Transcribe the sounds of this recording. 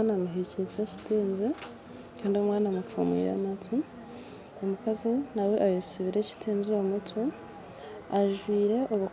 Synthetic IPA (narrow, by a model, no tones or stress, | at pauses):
namuɦeciseci̥teːɲze | kʰaːndiomwaːnamuffa̰mwḭja̰matʰu | omukazinawe̞ʔajosiβiɾe̞ci̥tʰeːɲzomutʰu | aʒwiːɾe̞ʔoβu